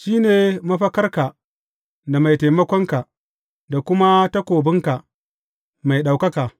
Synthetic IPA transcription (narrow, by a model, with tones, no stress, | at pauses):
ʃiː˦neː˨mɐ˦ɸɐ˦kɐ˦rka˨ | da˨ma˨jta˨mɐ˦kʷɔ˦ŋka˨ʔ | da˨kʷʊ˦ma˦ta˦kʷoː˨bɪ˦ŋka˨ʔ | ma˨jɗa˨wkɐ˦ka˨ʔ